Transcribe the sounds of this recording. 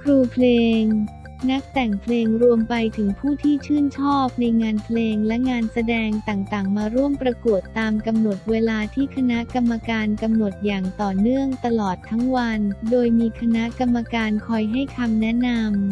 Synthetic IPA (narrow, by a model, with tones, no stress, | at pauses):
kʰɾuː˧pʰleː˧ŋ | na˦˥k̚t̪ɛ˨˩ŋpʰleː˧ŋɾu˧əmpa˧jt̪ʰɯ˩˦ŋpʰuː˥˩t̪ʰiː˥˩t͡ɕʰɯː˥˩nt͡ɕʰɔː˥˩p̚na˧jŋaː˧npʰleː˧ŋlɛ˦˥ŋaː˧nsa˧dɛː˧ŋt̪aː˨˩ŋt̪aː˨˩ŋmaː˧ɾu˥˩əmpɾa˧ku˨˩ət̪ːaː˧mka˧mno˨˩t̪̚weː˧laː˧t̪ʰiː˥˩kʰa˧na˦˥ʔka˧mːa˧kaː˧nka˧mno˨˩t̪̚jaː˨˩ŋt̪ɔː˨˩nɯ˥˩əŋt̪a˧lɔː˨˩t̪ʰːa˦˥ŋwa˧ndoː˧jmiː˧kʰa˧na˦˥ʔka˧mːa˧kaː˧nkʰɔ˧jɦa˥˩jkʰa˧mnɛ˦˥na˧m